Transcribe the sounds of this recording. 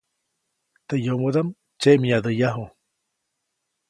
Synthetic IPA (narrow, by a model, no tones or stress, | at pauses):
t̪ejomod̪am | t͡ʃeʔmiad̪əjaɦu